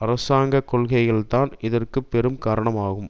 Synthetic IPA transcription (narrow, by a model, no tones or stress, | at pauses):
ɐɾɐsaːŋɡɐkɔɭɣɐɪɣɐɭt̪aːnɪðɐrkɯpːɛɾɯmkaːɾɐɳɐmaːɣɯm